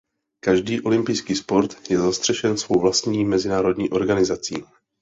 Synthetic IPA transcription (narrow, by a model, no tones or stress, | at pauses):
kaʒdiːʔo̞lɪmpɪjskiːspo̞ɾt̪jɛzast̪r̥ɛʃɛnsvo̞wvlast̪ɲiːmɛzɪnaːɾo̞dɲiːʔo̞ɾɡanɪzat͡sḭː